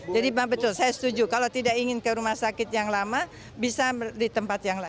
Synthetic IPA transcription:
d͡ʒadibaŋbət̪ʊlsajasə̥t̪ud͡ʒukalat̪idakiŋɪnkəɾumahsakɪt̪jaŋlama | bisadit̪əmpat̪jaŋla

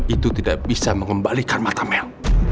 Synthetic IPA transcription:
it̪ut̪idaʔbisaməŋəmbalikanmat̪amɛl

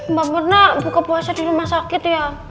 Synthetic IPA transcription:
mbamərnabukapuasadiɾumahsakɪt̪ja

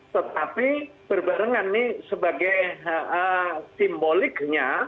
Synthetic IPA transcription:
t̪ət̪apib̥ərbaɾəŋanːɪsəbaɡajəsimbolɪkɲa

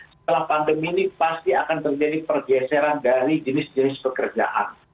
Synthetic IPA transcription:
sət̪əlahpandəmiːnipast̪iakant̪ərd͡ʒadipərɡɛseɾandaɾid͡ʒənɪsd͡ʒənɪspəkərd͡ʒa̰ʔa̰n

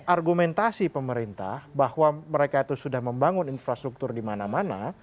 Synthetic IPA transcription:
ʔarɡumɛnt̪asipəməɾint̪a̰hbahwaməɾekait̪usudahməmbaŋʊninfɾast̪ɾuk̚t̪ʊrdimanamana

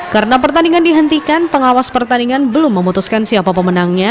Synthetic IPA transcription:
kaɾənapərt̪aniŋandiɦənt̪ikanpəŋawaspərt̪aniŋanbəlʊmːəmut̪uskansiapapəmənaŋɲa

